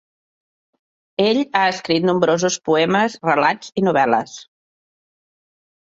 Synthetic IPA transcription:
eʎaəskɾit̪numbɾozuspuɛməzrəlad͡zinuβɛlə̰s

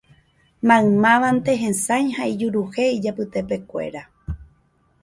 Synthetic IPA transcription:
mãɨ̃mãʋant̪e̞ɦẽsajhaid͡ʒuɾuhe̞id͡ʒapɨt̪e̞pe̞kʷe̞̰ɾa

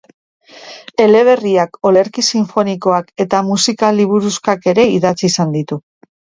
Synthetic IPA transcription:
e̞le̞β̞e̞riako̞le̞ɾkisiɱfo̞niko̞ake̞t̪amusikaliβ̞uɾuskake̞ɾe̞iðat͡siːsand̪it̪u

